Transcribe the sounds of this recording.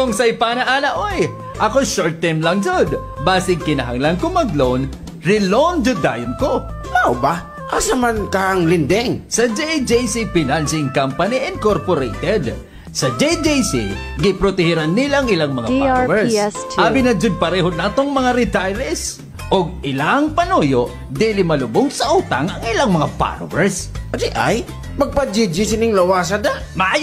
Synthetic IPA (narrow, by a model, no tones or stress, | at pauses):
koŋsɐjpaːnɐʔaːlɐʔoj | ʔɐkoʃoɹt̪ːɛmlɐŋd͡ʒod̪ | baːsɪŋkɪnɐɦɐŋlankʊmɐɡlon | ɹɪlond͡ʒʊd̪aːjonkomaoba | ʔasɐmankɐɐŋlɪnd̪ɛŋsɐd͡ʒɛjd͡ʒɛjsipɪnalsɪŋkampɐniʔɛnkoɾpoɾejt̪ɛd̪ | sɐd͡ʒɛjd͡ʒejsḭ | ɡɪpɾot̪ɛhɪɾanːɪlaŋɪlaŋmɐŋaawɛɹshaːbɪnɐd͡ʒʊd̪̚pɐɾɛːɦod̪naːt̪oŋmɐŋaɾɪt̪ajɾɛs | ʔoɡ̚ɪlaŋpɐnujoʔ | d̪ilɪmɐlʊbʊɡsɐʔuːt̪ɐŋɐŋɪlaŋmɐŋapa̰ɾ̰wɛɹsd͡ʒɪʔa̰j | mɐɡ̚pad͡ʒid͡ʒisɪnɪŋlɐwaːs̬ad̪aʔmɐaj